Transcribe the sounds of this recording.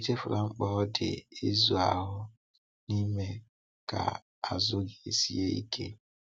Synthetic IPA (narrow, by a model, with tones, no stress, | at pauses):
te˦fʊ˨ɾa˨ŋ͡m̩˦k͡pɔ˦dɪ˨ɪ˦zu˨a˨ɦʊ˦ | ni˦me˦ | ka̰˨ | a˨zʊ˦ɡi˨e˦si˦e˦ḭ˦kʰḛ˦